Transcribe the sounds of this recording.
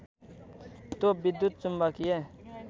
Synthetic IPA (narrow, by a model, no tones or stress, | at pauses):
t̪oːbɪd̪ːut̪̚t͡ʃʊmbakieː